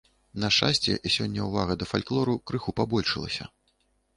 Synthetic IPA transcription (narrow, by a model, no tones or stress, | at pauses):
nɐʂt͡ʂasʲt͡sʲɛ̰ʔisʲɔnʲːɐwvaɣɐd̪ɐfalʲklˠɔɾukɾɨxupabɔlʲʂɨlˠɐ̰sʲɐ̰